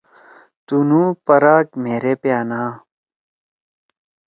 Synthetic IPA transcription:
t̪unuːpɐɾaːkmeːɾepeaːnaː

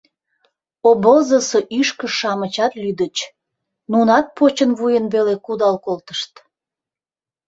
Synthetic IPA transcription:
obəzəsəʔyʃkə̆ʃɑmət͡ɕɑt̪lyd̪ət͡ɕ | nunɑt̪̚pot͡ɕənβujənβelekud̪ɑlkolt̪əʃt̪

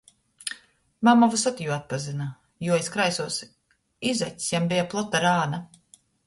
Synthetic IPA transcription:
mamavusat̪ijuat̪̚pazina | juɔeskɾajsuɔs | izɛt̪ʲsjambijaplˠɔt̪ːaɾaːna

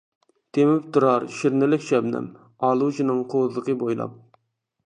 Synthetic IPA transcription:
t̪ʰemɪp̚t̪ʰuɾɑɾʃiɾnɪlɪkʲʃɛbnɛ̰m | ɑːlˠut͡ʃʰinɨŋqʰozlˠəqʰəbojlˠɑ̰p̚

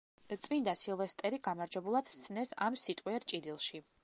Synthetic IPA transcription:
t̪sʼvind̪asilˠvɛst̪ʼɛɾiɡamaɾd͡ʒwɛbulˠad̪̥st̪sʰnɛsamsit̪ʼwiɛɾt͡ʃʼid̪ilˠʃi

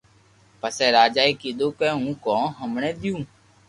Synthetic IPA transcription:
pəsɛːɾaːd͡ʒaːiːkiːɗ̪oːkeːɦũːkõːɦəmɳẽːd̪ɪjũː

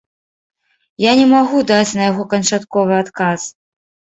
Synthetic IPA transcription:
janʲɛmaɣud̪at͡sʲnɐjaɣɔkɐnt͡ʂat̪kɔvɨat̪kas

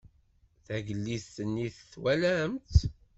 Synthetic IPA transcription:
θæɡəlːiθθənːiθθwælæmt̪

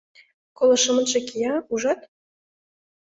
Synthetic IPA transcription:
kolɤ̆ʃə̆mə̆nʒĕkijɑuʒɑt̪̚

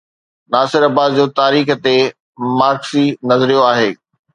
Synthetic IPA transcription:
naːsɪɾɐbaːd̪d͡ʑoːt̪aːɾiːxt̪e | maːɾksinɐzɾijoaːɦeː

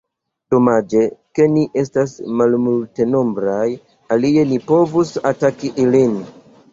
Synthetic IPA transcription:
d̥o̞mad͡ʒe̞ke̞niʔe̞stasmalmulte̞no̞mbɾaj | alie̞nipo̞vusatakiʔilin

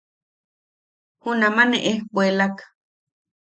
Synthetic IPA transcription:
hunamaneʔehbwelakḁ

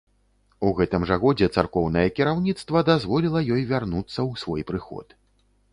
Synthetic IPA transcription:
uɣɛt̪ɨmʐɐɣɔd͡zʲɛt̪sarkɔwn̪ɐjɛkʲiɾawnʲit̪st̪vɐd̪azvɔlʲilˠɐjɔjvʲarnut̪sːɐwsvɔjpɾɨxɔ̰t̪

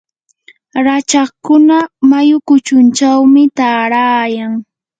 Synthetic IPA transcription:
ɾat͡ʃɑχkʊnamajʊkʊt͡ʃʊnt͡ʃawmɪt̪aːɾaːjaŋ

